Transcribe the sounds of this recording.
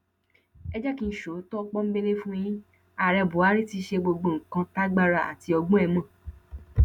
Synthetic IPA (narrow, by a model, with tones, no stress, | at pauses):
ɛ˦d͡ʒɛ˦ki˧n̩˦ʃo˨˦tɔ˦˧k͡pɔ˦m̩˦be˦nẽ˦fũ˦j̃ĩ˦ | a˨ɾɛ˧˨bu˨˦a˨˦ɾi˦ti˦˧˦ʃe˧ɡ͡bo˧ɡ͡bo˨ŋ̩˨kã˧ta˦ɡ͡ba˦˧ɾa˧˨a̰˨ti˧ɔ˧ɡ͡bɔ̃˦ɛ˧mã˦˨